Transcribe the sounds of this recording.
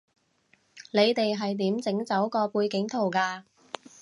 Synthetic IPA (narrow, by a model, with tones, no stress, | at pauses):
le˨˧jt̪e˨jɦɐ˨jt̪iː˨˥mt͡sɪ˨˥ŋt͡sɐ˨˥wkɔː˧puː˧jkɪ˨˥ŋt̪ʰo˨˩wkaː˧